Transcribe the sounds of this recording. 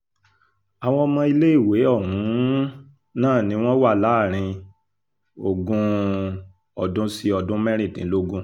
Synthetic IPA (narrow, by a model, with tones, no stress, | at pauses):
a˨w̃ɔ̃˧mɔ̃˧i˧le˦i˦˨we˨˦ɔ˦˨hũ˨˦ | nãː˦˨nĩ˨˦w̃ɔ̃˦wa˦˨la˨˦˨ɾ̃ĩ˧ | o˨ɡũ˧ | ɔ˨dũ˦si˦ɔ˧dũ˦mɛ̃˦ɾ̃ĩ˦˨tĩ˨˦lo˦ɡũ˦